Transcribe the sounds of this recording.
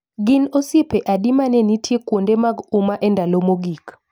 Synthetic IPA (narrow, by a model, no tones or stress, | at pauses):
ɡɪnosipɛʔaɗimanɛnitʰjekwondɛmaɡumaʔɛndʱalomoɡik